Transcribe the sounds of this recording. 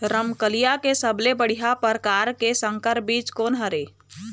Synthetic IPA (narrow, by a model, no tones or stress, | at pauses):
ɾəmkəlijakesəblebəɽ̤iɦapəɾkaːɾkesə̃ŋkəɾbiːt͡ʃkoːnɦəɾeː